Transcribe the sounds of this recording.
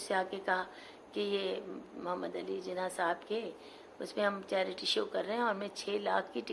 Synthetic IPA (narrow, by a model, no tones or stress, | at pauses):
seaːkekɐɦa | kijeːmʊɦəmːəd̪ɐlid͡ʒɪnaːsaːɦbke | ʊ̰smẽɦɐmt͡ʃɛːɾɪʈiʃoːkɐɾːəɦɛ̃ɔːɾmɛ̃t͡ʃʰeːlaːkʰkiʈɪ